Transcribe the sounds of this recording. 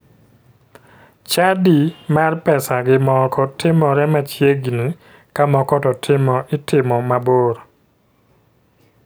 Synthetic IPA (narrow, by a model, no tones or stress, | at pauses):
t͡ʃadimarpɛsaɡɪmɔkʰɔtɪmɔɾɛmat͡ʃjeɡini | kamɔkɔtɔtʰɪmɔʔɪtɪmɔmaboɾo